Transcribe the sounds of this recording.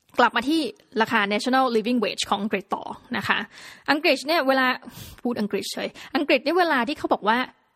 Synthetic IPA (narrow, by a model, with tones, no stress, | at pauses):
kla˨˩p̚maː˧t̪ʰiː˥˩ | ɾaː˧kʰaː˧nɛː˦˥t͡ɕʰo˧na˥˩liː˧wi˥˩ŋwḛː˦˩t͡ɕʰkʰɔː˩˦ʔa˧ŋkɾi˨˩t̪ːɔ̰ː˨˩na˦˥kʰa̰˦˥ʔʔa˧ŋkɾi˨˩t̪̚ni˥˩ɐweː˧laː˧pʰuː˥˩t̪̚ʔa˧ŋkɾi˨˩t̪̚t͡ɕʰɤː˧jʔa˧ŋkɾi˨˩t̪̚ni˦˥weː˧laː˧t̪ʰiː˥˩a˦˥bɔː˨˩k̚waː˥˩